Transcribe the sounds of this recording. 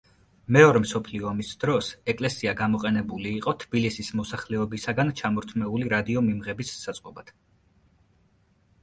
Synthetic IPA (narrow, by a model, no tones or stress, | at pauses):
mɛɔɾɛmsɔpʰliɔamisd̪ɾɔsɛkʼlɛsiaɡamɔqʼɛnɛbuliːqʼɔt̪ʰb̥ilisismɔsaχlɛɔbisaɡant͡ʃʰamɔɾt̪ʰmɛuliɾad̪iɔmimʁɛbisːat̪sʼqʼɔbad̪̥